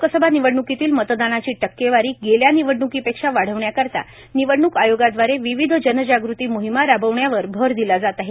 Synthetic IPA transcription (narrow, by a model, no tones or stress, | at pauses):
kəsəbʱaniʋəɽɳukit̪iːlmət̪d̪anat͡ɕiːʈəkːeʋaɾiːɡeljaniʋəɽɳukipekʂaʋaɽ̤əʋɳjakəɾt̪a̰ | niʋəɽɳuːkajoɡad̪ʋaɾeʋiʋid̪ʱd͡ʑənəd͡ʑaɡɾut̪iːmoɦimaɾabəʋɳjaʋəɾbʱəɾd̪ilad͡zat̪aɦe